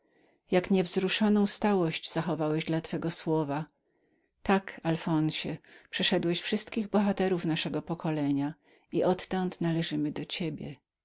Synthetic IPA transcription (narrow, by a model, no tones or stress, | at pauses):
jakɲɛvzɾuʂɔnɔ̃w̃st̪awɔɕd͡ʑz̥axɔvawɛʑd̪lat̪fɛɡɔswɔva | t̪akalfɔnɕɛpʂɛʂɛd̪wɛɕfʂɘst̪kʲiɣbɔxat̪ɛɾufnaʂɛɡɔpɔkɔlɛɲa | iʔɔt̪ːɔnt̪nalɛʐɘmɘd̪ɔt͡ɕebʲjɛ̰